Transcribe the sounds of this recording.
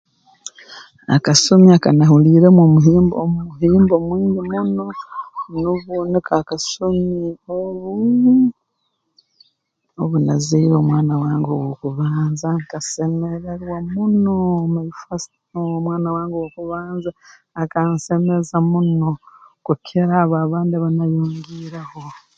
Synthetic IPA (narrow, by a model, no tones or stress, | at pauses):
a̰kasomiakanahuliːɾemomuɦiːmbomumuhiːmbomwiːndimunonuβunikakasomioβu | oβunaziiɾomwaːnawaːŋɡowokuβaːnzaŋkase̞meɾeɾwamunomaifast | omwaːnawaːŋɡewokuβaːnzaː | kanse̞mezamunokukʰeɾaβaːβaːndiaβanajuːŋɡiɾaho̞